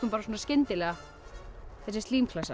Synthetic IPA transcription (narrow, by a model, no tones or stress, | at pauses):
kʏmpaːɾasoːnascɪnt̪ɪlɛːɣa | θɛs̬ɪst̪liːmkʰlasa